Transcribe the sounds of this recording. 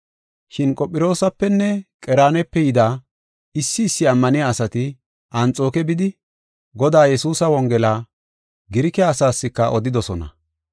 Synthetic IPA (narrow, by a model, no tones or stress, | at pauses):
ʃɪnkʼɔpʼːɪɾo̞ːsɐpːɛnːɛkʼɛɾaːnɛpːɛjɪd̪aː | ɪsːɪːsːɪɐmːɐnɪjaːsɐt̪ɪ | ʔɐnt͡sʼo̞ːkɛbɪd̪ɪ | ɡɔd̪aːjɛsuːsɐwɔŋɡɛlaː | ɡɪɾɪkɛaːsaːsːɪkːɐʔɔd̪ɪd̪ɔsɔnɐ̰